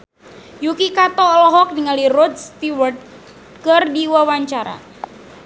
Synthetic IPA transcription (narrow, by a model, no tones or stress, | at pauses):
jukikat̪ɔːlɔɦɔk̚niŋalirɔdst̪iwərt̪̚ | kɨrdiwawaɲt͡ʃaɾa̰